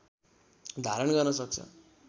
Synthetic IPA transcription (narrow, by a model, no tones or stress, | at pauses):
d̪ʱaɾʌnɡʌrnʌsʌk̚t͡sʰʌ̰